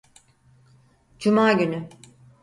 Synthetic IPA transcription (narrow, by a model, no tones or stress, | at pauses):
d͡ʒumaːɟyny